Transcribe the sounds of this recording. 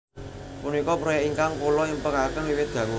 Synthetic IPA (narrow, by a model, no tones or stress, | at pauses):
punikɔbɾɔjɛʔiŋkaŋkulɔimpəkakənliwɪt̪̚ɡ̥ä̤ŋu